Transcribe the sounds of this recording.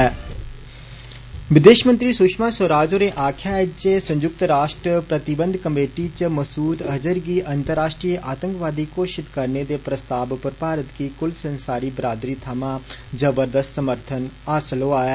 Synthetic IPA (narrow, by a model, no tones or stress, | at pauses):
ʋɪd̪eːʃmə̃nt̪ɾiːsʊkʃmãːsəɾaːd͡ʒoːɾeːʔaːkʰjaːed͡ʒesə̃ɲd͡ʒʊk̚t̪ɾaːʃʈɾəpɾət̪ɪbə̃nd̪kəmeːʈiːt͡ʃəməsuːd̪əd͡ʒəɾɡiːʔənt̪əɾːaːʃʈɾiːʔaːt̪ə̃ŋkʋaːd̪iːkoːʃɪt̪kəɾneːd̪eːpɾəst̪aːbpəɾpaːɾət̪kiːkʊlsənsaːɾiːbɾaːd̪ɾiːt̪ʰaːmãːd͡ʒəbəɾd̪əst̪səməɾt̪ʰənaːsəloːaːjeː